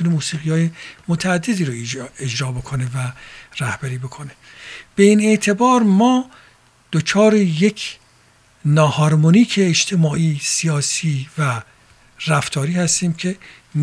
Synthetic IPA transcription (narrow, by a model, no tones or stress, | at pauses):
unemuːsiːɣijɒːjemot̪ʰææd̪ːed̪iːɾoed͡ʒɾɒːbo̞kʰone̞væræhb̥æɾiːbo̞kʰo̞ne | b̥e̞iːne̞ʔt̪ʰe̞bɒːɾmɒː | d̪̥ot͡ʃʰɒːɾejekʰ | nɒːhɒɾmoniːkʰeːd͡ʒt̪ʰe̞mɒːʔiːsijɒːsiːvæ | ræft̪ʰɒːɾiːhæst̪iːmcʰe̞ | n